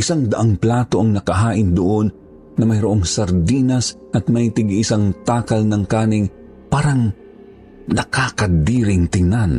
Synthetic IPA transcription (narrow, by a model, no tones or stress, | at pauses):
ʔɪsaŋd̪ɐʔaŋplaːt̪o̞ʔɐŋnɐkɐɦaːʔɪnd̪ʊʔonː | ɐmɐjɾʊʔo̞ŋsɐɾd̪iːnɐs | ʔɐt̪̚mɐjt̪ɪɡʔɪsaŋt̪aːkɐlnɐŋkaːnɪŋ | paːɾɐŋ | nɐkakɐd̪iːɾɪŋt̪ɪŋnan